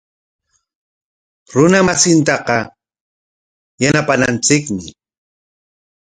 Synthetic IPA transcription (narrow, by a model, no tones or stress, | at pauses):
ɾʊnamasɪnt̪ɑqɑ | janapanant͡sɪkmɪ